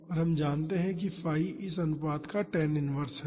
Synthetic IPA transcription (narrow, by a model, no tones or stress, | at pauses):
ɔːɾɦɐmd͡ʒaːnt̪eɦɛ̃k̬ifaːiʔɪsɐnʊpaːd̪kaʈɛːnɪnʋəɾsɦɛ